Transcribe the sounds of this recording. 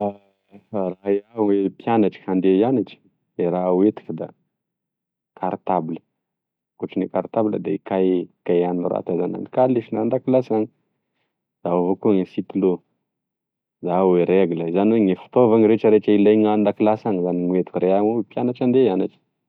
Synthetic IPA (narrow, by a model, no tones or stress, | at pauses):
a | farajauwepjanaʈ͡ʂə̥kand̪eianaʈ͡ʂə̥ | d̪eɾaɦwet̪i̥kəd̪a̰ | kʰaɾt̪abilə̥ | koʈ͡ʂinekaɾt̪abilə̰d̪aikakajaninra̰t̪azana̰ni̥kaliʃinand̪akilasaŋi | d̥aavokuŋesit̪ulo | d̪aweɾeɡuləzanweŋefi̥t̪ovaŋiɾeʈ͡ʂəɾeʈ͡ʂəilajŋand̪akilasaŋizaniŋwet̪i̥kɾeaŋowepjanaʈ͡ʂand̪ejanaʈ͡ʂə̥